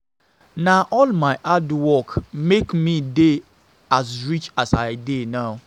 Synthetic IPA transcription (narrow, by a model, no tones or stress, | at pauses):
naʔɔlmaɪʔadwɔkmekmide | asɹit͡ʃasaɪdenaʊ